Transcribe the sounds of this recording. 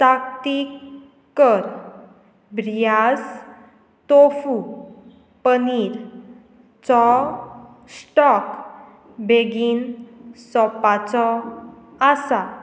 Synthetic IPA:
t̪ak̚t̪ik | kːəɾ | bɾijas | t̪ofu | pəniːɾ | t͡sɔ | sʈɔk | beɡiːnsɔpat͡sɔ | asa

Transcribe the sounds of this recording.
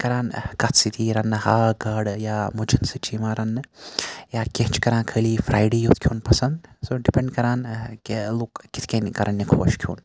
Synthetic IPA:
kɐɾaːnkɐt̪sit̪ʰiːɾɐnːɨhaːɡɐːɽjaːmud͡ʒɐnsɨt͡ʃiːmaːɾɐnːɨjaːkʲeɦt͡ʃkɐɾãːnkʰəːliːfʰɾaːjɖeːjut̪kʰuːnpɐsɐnd̪soɖipeɳɖkɐɾaːn | loːkːit̪ʰkɐnkɐɾʔɐnːikʰoːʃkʰjṵːn

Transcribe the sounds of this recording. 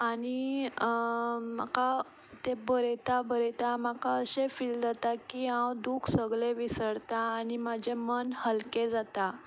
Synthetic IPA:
aɽ̃i | ma̰ka | t̪ebəɾet̪abəɾet̪amakaəɕefiːld͡zat̪akiãwd̪ukʰsəɡleʋisəɽt̪aːɽ̃imad͡ʑʱemənhəlked͡zat̪a

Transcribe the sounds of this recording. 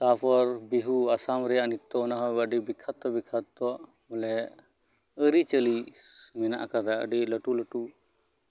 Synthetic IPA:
sapʰɔɾbiɦuasamɾɛjaʔnit̪ːɔɔnaɦɔbəɖibikʰat̪ːɔbikʰat̪ːɔʔmɔlɛ | əɾit͡ʃəlimɛna̰ʔkad̪aə̰ɖiləʈuləʈu

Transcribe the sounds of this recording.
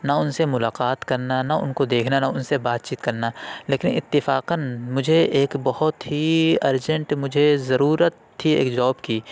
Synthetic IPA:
nɐʊnsemʊlaːqaːt̪kɐɾnanɐʊ̰nkod̪eːkʰnanɐʊnsebaːt̪̚t͡ʃiːt̪kɐɾnaleːkɪnɪt̪ːɪfaːqənmʊd͡ʒʱeʔeːkbɐhʊt̪ɦiɐɾd͡ʒə̃ɳʈmʊd͡ʒʱezɐɾuːɾət̪ʰːiḛːkd͡ʒɔːbkiː

